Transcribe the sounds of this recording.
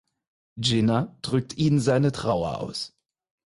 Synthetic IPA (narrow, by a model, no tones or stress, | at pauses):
d͡ʒɪnad̥ʁʏk̚tʰiːnzaɪnətʁ̥aʊɐ̰ʔa̰ʊs